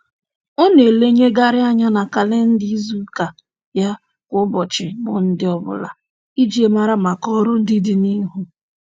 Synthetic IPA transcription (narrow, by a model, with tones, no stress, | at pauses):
ɔ˦ne˨le˦ɲe˦ɡa˦ɾɪ˦a˦ɲa˦na˨ka˨le˦n̩˦di˦zu˦ka˨ | ja˦ | kʷʊ˦bɔ˨t͡ʃɪ˨mʊ˨n̩˦dɪ˦ɔ˦bʊ̰˦la̰˨ | i˦d͡ʒi˦e˦ma˨ɾa˦ma˨kɔ˦ɾʊ˦n̩˦dɪ˦dɪ˨ni˦ɦu˦